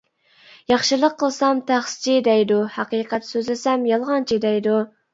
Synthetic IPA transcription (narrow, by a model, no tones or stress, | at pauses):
jɑχʃɨlˠəqʰːəlˠsɑmt̪ʰæχst͡ʃʰid̪ɛjd̪uhæqiːqɛt̪søzlɪsɛmjɑlˠʁɑnt͡ʃʰid̪ɛjd̪u